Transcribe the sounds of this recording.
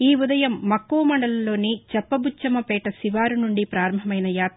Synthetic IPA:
iːud̪ɐjɐmːɐkːuːɐmɐɳɖɐlɐlo̞ːnit͡ʃɛpːɐbut͡ʃːɐmɐpɛːʈɐsiʋaːɾunuɳɖipɾaːɾɐmbʱɐmɐjnɐjaːt̪ːɐ

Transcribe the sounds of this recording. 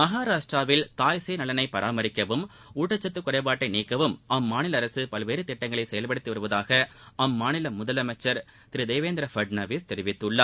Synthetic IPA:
mɐɣaːɾaːʂʈraːʋɪlt̪aːjseːnɐlɐnɐɪpɐɾʔaːmɐɾɪkːɐʋɯm | uːʈːɐt͡ʃːɐt̪ːɯkːʊɾɐɪpaːʈːɐɪniːkːɐʋɯmʔɐmːaːnɪlɐːɾɐsɯpɐlʋeːɾɯt̪ɪʈːɐŋɡɐɭɐɪsɛjɐlpɐɽɯt̪ːiʋɐɾɯʋɐðaːɣɐɐmːaːnɪlɐmʊðɐlɐmɐt͡ʃːɐɾ | t̪ɪɾɪd̪eːʋeːnd̪ɾɐfɐɖnɐʋist̪ɛɾɪʋɪt̪ːɯɭːɐ

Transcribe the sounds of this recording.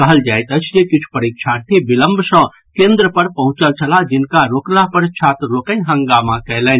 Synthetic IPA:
kəɦəld͡ʒaːjt̪ət͡ʃʰjekɪt͡ʃʰpəɾikt͡ʃʰat̪ʰibiləmbʱsə̃ | kẽnd̪ɾəpəɾpəɦũt͡ʃəlt͡ʃʰəlad͡ʒɪnkaɾoːklapəɾt͡ʃʰat̪lokənɦə̃ŋɡamãkɛjlɛːn

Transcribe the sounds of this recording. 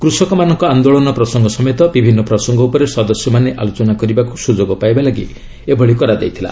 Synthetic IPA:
kɾusɔkɔmanɔŋkɔand̪oɭɔnɔpɾɔsɔŋɡʱɔsɔmjt̪ɔbibʱinːɔpɾɔsɔŋɡʱɔupɔɾesɔd̪ɔsjɔmaneʔalot͡ʃɔnakɔɾibaku̥sud͡ʒoɡɔpajbalaɡḭ | ebʱɔɭikɔɾad̪ajt̪ʰila̰

